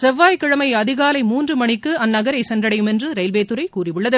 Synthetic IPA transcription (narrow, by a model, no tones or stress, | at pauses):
sɛʋːaːjkɪɻɐmɐɪɐðɪɣaːlɐɪmuːndrɯmɐɳɪkːɯɐnːɐɣɐɾɐɪsɛndrɐɽɐjɯmɛndrɯɾɐɪlbeːt̪ːɯɾɐɪkuːrɪʋɯɭːɐðɯ